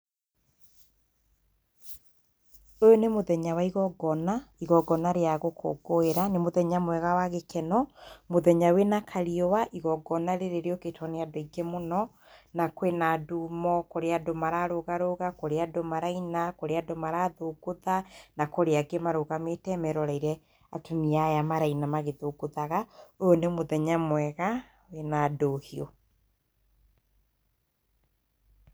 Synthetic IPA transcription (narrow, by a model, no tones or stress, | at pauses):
ojonemoðɛɲawaiɣɔɡɔnaiɣɔɡɔnaɾeaɣokʰɔ̰ɡoeɾanemoðɛɲamwɛɣawaɣekɛnɔmoðɛɲawenakʰaɾiɔwaʔiɣɔɡɔnaɾeɾeɾeɔketʰɔneadoiɡemonɔ | nakwenadumɔkoɾeadomaɾaɾoɣaɾoɣakoɾeadomaɾainakoɾeadomaɾaːðoɡoðanakoɾeaɡemaɾoɣametɛmɛɾɔɾaiɾɛ | atuniajamaɾainamaɣeðoɡoðaɣaojonemoðɛɲamwɛɣa | wenadohiɔ